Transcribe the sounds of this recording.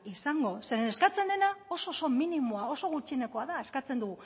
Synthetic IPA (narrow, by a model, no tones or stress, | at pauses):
isaŋɡo̞se̞ɾe̞ne̞skat͡se̞nd̪e̞nao̞so̞so̞minimo̞ao̞so̞ɣ̞ut͡ʃie̞ne̞ko̞aðaeskat͡se̞nd̪uɣu